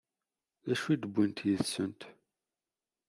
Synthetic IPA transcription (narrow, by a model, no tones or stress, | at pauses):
ðæʃuid̪əbʷːint̪jəðsənt̪